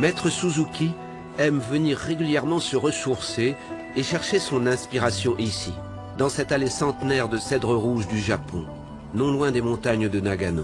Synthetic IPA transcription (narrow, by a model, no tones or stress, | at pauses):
mɛt̪χəsuzukʲi | ɛmvəniʁːeɡʲyljɛʁmɑ̃səʁəsuʁseː | ʃɛʁʃesɔ̃nɛ̃spiʁasjɔ̃ʔisi | d̪ɑ̃sɛt̪alesɑ̃t̪nɛʁd̪əsɛd̪ʁəʁuʒd̪yʒapɔ̰̃ | nɔ̃lwɛ̃d̪emɔ̃t̪aɲd̪ənaɡanõ̰